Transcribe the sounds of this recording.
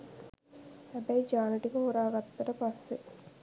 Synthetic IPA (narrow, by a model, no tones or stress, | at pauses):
hæbæid͡ʒaːnəʈikəɦuɾaːɡat̪ːɐʈəpasːe